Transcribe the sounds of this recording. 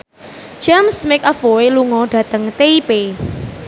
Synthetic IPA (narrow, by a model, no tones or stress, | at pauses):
d͡ʒamsmɪkafoeluŋɔɖä̤t̪əŋt̪eipe